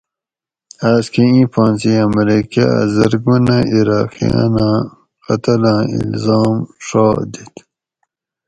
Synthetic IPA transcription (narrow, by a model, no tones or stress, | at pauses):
aːskʰiĩːpɑ̃ːnsiɐmɾikaa̰zɐɾɡunãiɾaːqḭjã̰nãː | qɐt̪ɐlãːḭlzɑːmʂɑːd̪it̪